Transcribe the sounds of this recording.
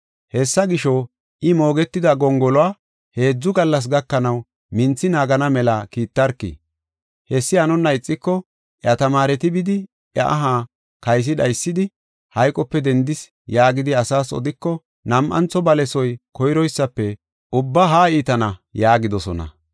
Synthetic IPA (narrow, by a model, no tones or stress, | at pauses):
hɛsːɐɡɪʃɔ | ʔɪmo̞ːɡɛt̪ːɪd̪ɐɡɔŋɡɔlɔaː | he̞ːd͡zːʊɡɐlːɐs̬ɡɐkːɐnɐw | mɪnt͡sːɪnaːɡɐnɐmɛlɐkiːt̪ːɐɾkːḭ | hɛsːɪɐnɔnːɐɪt͡sʼːɪkːɔ | ʔjɐt̪ɐmaːɾɛt̪ɪbɪd̪ɪ | ɐ̰ʔɐɦaː | kɐjs̬ɪd̪ɐjsːɪd̪ɪ | hɐjkʼɔpːɛd̪ɛnd̪ɪs | jaːɡɪd̪ɪɐsaːsɔ̰d̪ɪkːɔ | nɐmʔɐ̰nt͡sɔbɐlɛsɔjkɔjɾɔjsːɐpːɛ | ʔʊbːɐɦaːiːt̪ɐnɐjaːɡɪd̪ɔsɔ̰nɐ̰